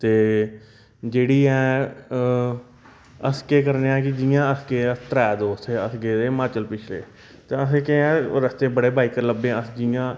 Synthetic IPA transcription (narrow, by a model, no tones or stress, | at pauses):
t̪eː | d͡ʒeːɽiːɛ̃ː | əskeːkəɾneːãːkɪd͡ʒɪjãːəskeːət̪əɾɛːd̪oːst̪ʰeːəsɡeːd̪eːmaːt͡ʃəlpɪt͡ʃʰlḛː | t̪eːəs̬ẽːkẽːɛ̃ːɾəst̪eːbəɽeːbaːiːkəɾləbẽːəsd͡ʒɪjãː